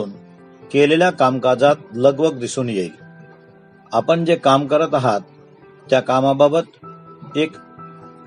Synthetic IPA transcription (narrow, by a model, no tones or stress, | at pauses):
uːn | keleljakamkad͡zat̪̚ləɡʋəɡd̪isuːnjei | apəɳd͡ʑekamkəɾət̪aɦat̪ː | jakamababət̪ek